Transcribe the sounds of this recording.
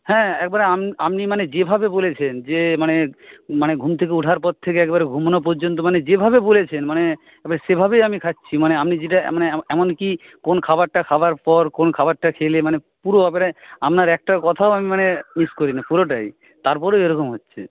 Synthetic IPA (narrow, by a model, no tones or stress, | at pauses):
hɛ̃ɛkebaɾeamniamnimaned͡ʑebʱabebolet͡ɕʰend͡ʑemanemaneɡʱumt̪ʰekeuʈʰaɾpɔɾt̪ʰːekeɛkeβaɾeɡʱumnop̬ɔɾd͡ʑont̪̬omaned͡ʑebʱabebolet͡ɕʰenmane | ɛkbaɾaʃebʱabejamikʰatːɕʰimaneamnid͡ʑeʈa̰maneɛmonki | konkʰabaɾʈakʰabaɾpɔɾkonkʰabaɾʈakʰelemane | puɾoapeɾaamnaɾɛk̚ʈakɔt̪ʰaoamimaneniʃkoɾinapuɾoʈaj | t̪aɾpɔɾoeɾokomɦotːɕʰḛ